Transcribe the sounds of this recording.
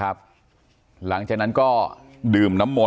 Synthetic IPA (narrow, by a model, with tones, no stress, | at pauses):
a˦˥p̚ | la˩˦ŋt͡ɕaː˨˩k̚na˦˥nkɔː˥˩ | ɗɯː˨˩mna˦˥mːo˨˩